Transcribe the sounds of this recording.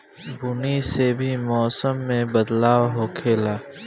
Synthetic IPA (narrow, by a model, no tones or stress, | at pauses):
bʊnisebʱimɔːsəmːẽbɐd̪laːwɦoːkʰeːlaː